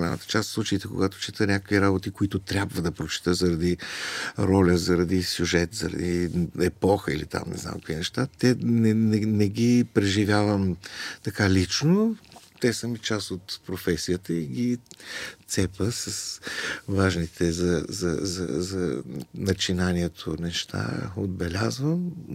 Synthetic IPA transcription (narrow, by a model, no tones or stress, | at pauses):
lʲa̰nə̰t̪ə̥t͡ʃast̪slˠut͡ʃəit̪ɛko̰ɡat̪o̥t͡ʃit̪ənʲakəkviɾabot̪ikoit̪ʊt̪ɾʲabvəd̪ɐpɾot͡ʃi̥t̪əzəɾɐd̪i | ɾɔlʲəzɐɾɐd̪isʲjuʒɛt̪zɐ̰ɾɐ̰d̪iɛpɔxəilit̪a̰mnɛ̰za̰mkkoinɛʃt̪at̪ɛnɛnɛnɛɡipɾɛʒivʲjavəmt̪ɐkalit͡ʃnot̪ɛsəmit͡ʃasot̪pɾofɛsijət̪əiɡʲi | t̪sɛpəsɐsvaʒnit̪ʰɛzɐzɐ̰zɐ̰zɐnɐt͡ʃinaniɛt̪ʰonɛʃt̪ʰa̰od̪̚bɛlʲazvəm